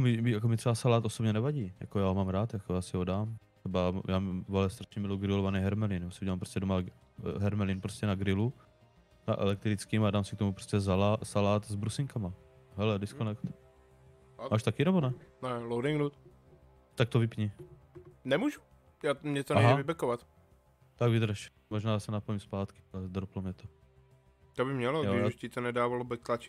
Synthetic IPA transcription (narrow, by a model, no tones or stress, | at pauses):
jakomɪmɪjakomɪt̪rɛbasalaːt̪ʔosobɲɛnɛvaɟiːja̰kojaːɦomaːmɾaːt̪jakojaːsɪɦodaːm | rɛbajaːmvalɛst̪ɾaʃɲɛmɪlowɡɾɪlovanɛjɦɛɾmɛlɪnjaːsɪuɟɛlampɾoscɛdoma | ɦɛɾmɛlɪnpɾoscɛnaɡɾɪlu | na̰ʔɛ̰lɛk̚t̪ɾɪt͡skiːmadaːmsɪkt̪omupɾoscɛs̬alaːsalaːt̪zbɾusɪŋkama | ɦɛlɛdɪskonɛkt̪ | maːʃt̪akɪnɛbonɛnɛlowdɪŋɡnut̪ | t̪ak̚t̪ovɪpɲi | nɛmuːʒu | jaːmɲɛt̪onaɛɦavɪbɛkovat̪ | t̪aɡvɪd̪ɾʃ | moʒnaːjasɛnapojimspaːt̪kɪ̥alɛd̪ɾ̩plomɲɛt̪o | t̪obɪmɲɛloɡɪʃcɪt̪onɛdaːvalobɛklat͡ʃɪ̥